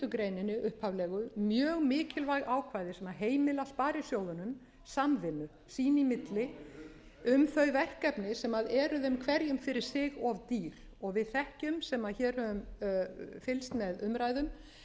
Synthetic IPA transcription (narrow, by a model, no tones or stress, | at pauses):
t̪ʏkɾejnɪnːɪʔʏhphavlɛːɣʏmjœːɣmɪːcɪlvajɣaːwkʰvaːjðɪsɛmaɦeːjmɪlaspaːɾɪsjoːwðʏnʏm | samvɪnːʏ | siːnimɪt̪lɪ | ʏmθœɥvɛr̥kɛpnɪsɛmaðɛːɾʏðemkʰvɛɾjʏmfɪɾɪɾ̥sɪɣɔvt̪iːɾ̥ | ɔɣvɪðθɛhcʏmsɛmaðçɛːɾ̥hœvʏm | fɪlst̪mɛðʏmɾaːjðʏm